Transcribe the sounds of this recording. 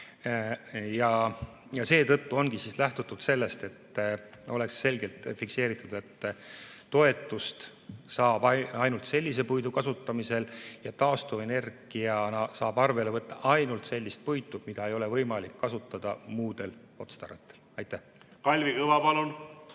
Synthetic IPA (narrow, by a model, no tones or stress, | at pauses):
jɑ | jɑse̞ːt̪ɤt̪ːuo̞nɡ̥isiːslæht̪ut̪ːˑud̪̥se̞lːe̞st̪e̞t̪ː | o̞le̞ksːe̞lɡe̞lt̪ˑfikse̞ːɾit̪ːˑud̪̥e̞t̪ː | o̞e̞t̪ːˑust̪ | sɑːbɑɑjnult̪se̞lʲːis̬e̞pujd̪ukɑsut̪ˑːɑmise̞ljɑt̪ɑːst̪ue̞ne̞rɡ̥iɑnɑsɑːb̥ɑrve̞levɤt̪ˑːɑʔɑjnult̪se̞lʲːist̪̚pujt̪ːˑumid̪̥ɑe̞jo̞le̞vɤjmɑlikːɑsut̪ːˑɑd̪̥ɑmuːd̪̥e̞l | o̞t̪st̪ɑɾɑt̪ːˑelɑjt̪ːˑæh | kɑlʲvikɤvɑpɑlun